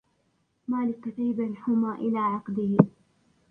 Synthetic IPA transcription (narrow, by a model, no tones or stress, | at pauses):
maːlɪkːat̪ajbalħʊmaːʔɪlaːʕɑqd̪ɪh